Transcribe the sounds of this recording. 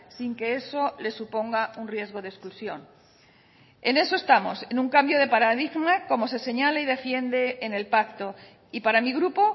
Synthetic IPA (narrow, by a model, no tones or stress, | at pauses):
siŋke̞eso̞le̞supo̞ŋɡaunrje̞zɣo̞ðesklusjo̞n | ene̞so̞e̞st̪amo̞se̞nũŋkambjo̞ð̞e̞paɾaðiɣmako̞mo̞se̞se̞ɲalaið̞e̞fje̞nd̪e̞ːne̞lpak̚t̪o̞ | ipaɾamiɣɾupo